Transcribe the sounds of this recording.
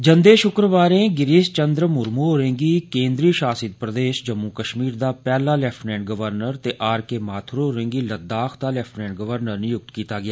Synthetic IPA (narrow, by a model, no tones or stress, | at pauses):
d͡ʒənd̪eːʃʊkɾəʋaːɾẽːɡɪɾɪst͡ʃənd̪ɾəmʊɾmoːɾẽŋɡiːkẽːnd̪ɾiːʃaːsɪt̪̚pɾəd̪eːʃd͡ʒəmːukəʃmiːɾd̪aːpɛːlaːlɛːpʰʈnɛ̃ːɳʈ̚ɡəʋəɾnəɾt̪eːʔaːɾkeːmaːt̪ʰɾoːɾẽːŋɡiːləd̪ːaːkʰd̪aːlɛːpʰʈnɛ̃ːɳʈɡəʋəɾnəɾnijʊk̚t̪kiːt̪aːɡɪaː